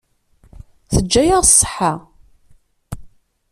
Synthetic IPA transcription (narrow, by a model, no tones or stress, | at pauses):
θəd͡ʒːæjəʁsˤːə̥ħa